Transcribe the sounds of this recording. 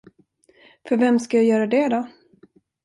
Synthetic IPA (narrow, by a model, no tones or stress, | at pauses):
fœɾvɛmskajajœːɾad̪ɛd̪ɔ